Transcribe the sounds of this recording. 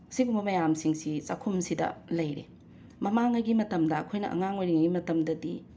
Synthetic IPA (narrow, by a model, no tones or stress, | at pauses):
ɐsiɡumbɐmɐjamsiŋsit͡ʃɐkʰumsidɐ̰lɐjɾḛ | mɐmaŋɐɡimɐtɐmdɐɐkʰojnɐ̰ʔɐ̰ŋaŋojɾiŋɐɡimɐtɐmdɐdi